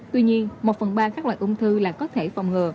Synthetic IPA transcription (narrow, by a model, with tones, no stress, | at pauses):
t̪wi˧ɲi˧ənmo˨˩t̚fə˨˩nɓaː˧kaː˦˥k̚la̰ː˧˨ʔʊ˧ŋ͡mt̪ʰɨ˧laː˨˩kɔ˨˦t̪ʰe˧˩fa̰˨˩wŋ͡mŋɨ˨˩